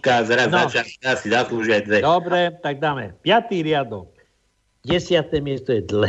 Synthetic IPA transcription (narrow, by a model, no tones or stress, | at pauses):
kazaɾaznat͡ʃiaiasid̪aslˠuʒiajd̪vɛd̪ɔbɾɛt̪aɡ̚d̪amɛpjat̪iɾjad̪ɔ | ɟɛsjat̪ɛmjɛst̪ɔjɛd̪lɛ